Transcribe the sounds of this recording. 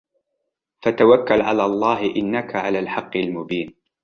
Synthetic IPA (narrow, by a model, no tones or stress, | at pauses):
fat̪awakːalʕalaːlˤːɑːhɪʔɪnːakaʕalaːlħɑqːɪlmʊbiːn